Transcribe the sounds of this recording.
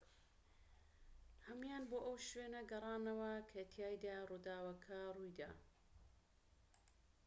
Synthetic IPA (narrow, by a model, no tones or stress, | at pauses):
hɐmjaːnboːʔɐwʃweːnɐɡɐrˤɑːnɐwɐkʰɐt̪ʰjaːjd̪aruːd̪aːwɐkʰɐrujd̪a̰ː